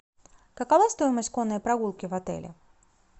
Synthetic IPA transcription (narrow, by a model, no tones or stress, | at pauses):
kəkɐvast̪o̞jɪməsʲtʲko̞nːəjpɾɐɡulˠkʲɪvɐt̪ɛ̰lʲɪ̰